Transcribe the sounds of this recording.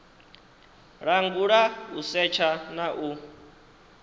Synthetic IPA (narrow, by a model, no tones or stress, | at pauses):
ɺaŋɡuɺausɛt͡ʃʰanaʔu